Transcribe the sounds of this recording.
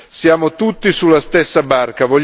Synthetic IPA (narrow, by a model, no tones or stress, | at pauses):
sjaːmot̪ut̪ːisulːast̪ɛsːabarkavoʎ